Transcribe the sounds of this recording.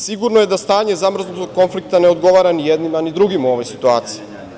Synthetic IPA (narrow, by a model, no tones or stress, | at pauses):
siɡuɾnoje̞d̪ast̪aːɲe̞zamr̩znut̪oɡ̚ko̞nflik̚t̪aneo̞d̪ɡo̞ʋaɾanijed̪nimanid̪ɾuɡimuo̞ʋojsit̪uaːt̪siji